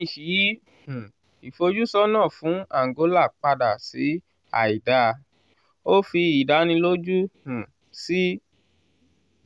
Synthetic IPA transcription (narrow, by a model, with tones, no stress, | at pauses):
i˦˨ʃi˨jĩ˦˨ | i˨fo˧d͡ʒu˦sɔ˦nã˦˨fũ˨˦a˦˨ŋ˨ɡo˨˦la˦˨k͡pa˧da˨si˨˦ | a̰˨i˨da˧˦ | o˦fi˧i˨da˨˧˦nĩ˧lo˦d͡ʒũ˦˨ | si˦